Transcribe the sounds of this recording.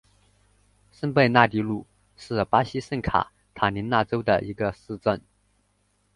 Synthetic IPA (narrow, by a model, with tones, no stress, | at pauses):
ʂə˥npe˥˧ɪna˥˩t̪i˧˥lu˥˩ | ʂɻ̩˥˩pa˥ɕi˥ʂə˥˩nkʰa̰˨˩˦ | t̪ʰa˨˩ni˧˥na˥˩ʈ͡ʂo˥ʊd̪ə̰˨ʔi˧˥ɡə˧sɹ̩˥˧ʈ͡ʂə˥˩n